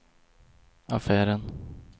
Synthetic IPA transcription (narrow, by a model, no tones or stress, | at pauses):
afæːɾən